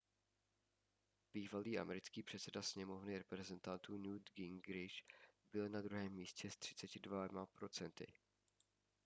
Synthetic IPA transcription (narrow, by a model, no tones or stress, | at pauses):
b̥iːvaliːʔa̰mɛɾɪt͡skiːpr̥ɛt̪t͡sɛdasɲɛmo̞vnɪɾɛpɾɛzɛnt̪ant̪uːnuːd̪ɡɪŋɡɾɪʃbɪlnad̪ɾuɦɛːmːiːscɛst̪r̥ɪ̥t͡sɛcɪdvamapɾo̞t͡sɛnt̪ɪ̰